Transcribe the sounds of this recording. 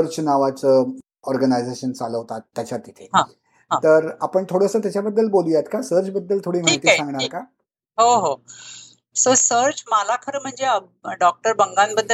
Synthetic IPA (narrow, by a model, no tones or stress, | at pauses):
əɾt͡snaʋat͡sə | ɔɾɡənajd͡zeɕənt͡saləɦt̪at̪ːjat͡ɕat̪ːit̪ʰeɦã | ãt̪əɾapəɳt̪ʰoɽəsəːt̪jat͡ɕjabəd̪ːəlbolujat̪kasəɾt͡sbəd̪ːəlt̪ʰoɽiːm̤ajt̪iːsãŋɡɳaɾka | ɦoɦo | səsəɾt͡smalakʰəɾəm̤əɳd͡zeə | ɖɔk̚ʈəɾbəŋɡanbəd̪ʱːə